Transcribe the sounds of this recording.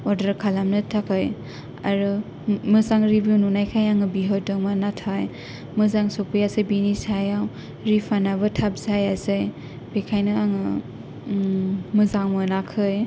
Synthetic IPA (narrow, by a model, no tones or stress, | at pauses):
ɔdaɾkʰalamnɯtʰakʰɯj | a̰ɾɯ | mɯzaŋɾibuwnunajkʰajaŋɯbiɦɔdɯŋmanatʰaj | mɯzaŋsɔpʰɯjasɯjbinisajaw | ɾipʰanabɯtʰap̚zajazɯj | b̥ekʰajnɯaŋɯ | mɯzaŋmɯnakʰɯj